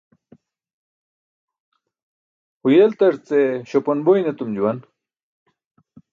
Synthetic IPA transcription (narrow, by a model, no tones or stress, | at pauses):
hujelt̪ɐɾt͡seɕoponbojnet̪umd͡ʑuwɐn